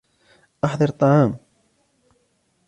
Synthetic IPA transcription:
ʔɑħðˤɑɾt̪ˤːɑʕaːm

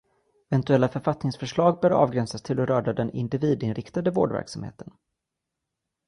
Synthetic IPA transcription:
ɛvɛnt̪ɵɛlːafœɾfat̪nɪŋsfœʂɭɑːɡ̚bœːɾɑ̰ːvɡɾɛnsast̪ʰɪlɔɾœːɖad̪ɛnɪ̰nd̪ɪviːd̪ɪnɾɪkt̪ad̪əvoːɖvæ̰ɾksamhḛːt̪ən

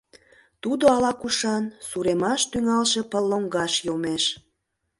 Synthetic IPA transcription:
t̪ud̪oɑlɑkuʃɑnsuɾemɑʃt̪yŋɑlʃe̽pəlːoŋɡɑʃjomeʃ

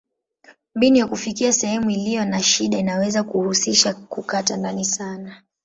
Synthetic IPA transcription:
mbinijakufikiasɛhɛmuilijɔnaʃiɗainawɛzakuhusiʃakukatandanisana

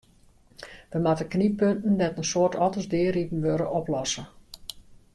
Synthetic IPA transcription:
ʋəmatəknipøntn̩dɛtənsoːətʰɔtəsdɪːripn̩ʋøɾəʔɔplɔsə

